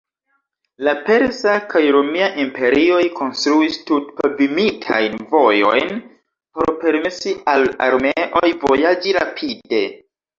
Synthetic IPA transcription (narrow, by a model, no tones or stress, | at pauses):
lape̞ɾzakʰajɾomiaʔimpe̞ɾio̞jko̞nstɾuistutpabimitʰa̰jnvo̞jo̞̰jn | po̞ɾpe̞ɾmesiʔala̰ɾmeʔo̞jvo̞jad͡ʒiɾa̰pʰide̞